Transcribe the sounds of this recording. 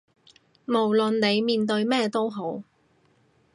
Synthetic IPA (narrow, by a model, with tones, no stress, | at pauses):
mo˨˩wlɵ˨nne˨˧jmiː˨nt̪̬ɵ˧ɥmɛː˥t̪o˥wɦo˨˥w